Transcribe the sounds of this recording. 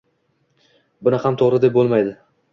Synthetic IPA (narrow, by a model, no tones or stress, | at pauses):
bʊnɪhamt̪ʰoʁɾɪd̪ep̚bolˠmajd̪ɪ